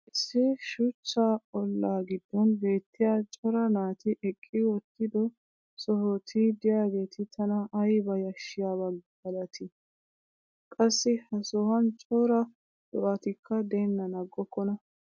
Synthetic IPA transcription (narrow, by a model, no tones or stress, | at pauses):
ʔɪsːɪʃʊt͡ʃːaːɔlːaːɡɪd̪ːɔnbe̞ːt̪ːɪjaːt͡ʃʼɔɾɐnaːt̪ɪʔɛkʼːɪwɔt̪ːɪd̪ɔ | sɔhɔt̪ʰiːd̪ɪjaːɡe̞ːt̪ʰɪt̪ʰɐnɐʔɐjbɐjɐʃːɪjaːbɐɡɡɐlɐt̪ʰɪ | kʼɐsːɪhɐsɔhɐnt͡ʃʼɔɾɐ | d̪ɔʔɐt̪ɪkːɐd̪ɛnːɐnɐɡːɔkːɔnɐ